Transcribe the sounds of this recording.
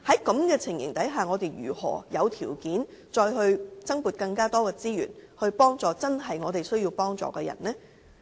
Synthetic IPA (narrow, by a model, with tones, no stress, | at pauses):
hɐ˨˥jkɐ˨˥mkɛː˧t͡sʰɪ˨˩ŋjɪ̰˨˩ŋt̪ɐ˨˥jɦaː˨ŋɔː˨˧t̪e˨jɥyː˨˩hɔ̰ː˨˩jɐ˨˧wt̪ʰiː˨˩wkiː˨˥n | t͡sɔː˧jhɵ˧ɥt͡sɐ˥ŋpuː˨t̚kɐ˧ŋkaː˥t̪ɔː˥kɛː˧t͡siː˥ɥy̰ː˨˩nhɵ˧ɥpɔː˥ŋt͡sɔː˨t͡sɐ˥nɦɐ˨jŋɔː˨˧t̪e˨jsɵ˥ɥjiː˧wpɔː˥ŋt͡sɔ̰ː˨kɛː˧jɐ̰˨˩nlɛː˥